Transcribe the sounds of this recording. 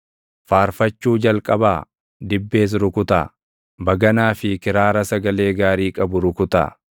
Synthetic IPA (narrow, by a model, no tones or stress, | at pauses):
faːɾfɐt͡ʃːuːd͡ʒɐlkʼɐbaː | d̪ɪbːe̞ːs̬ɾʊkʊt̪a̰ː | bɐɡɐnaːfɪkɪɾaːɾɐsɐɡɐle̞ːɡaːɾiːkʼɐbʊɾʊkʊt̪a̰ː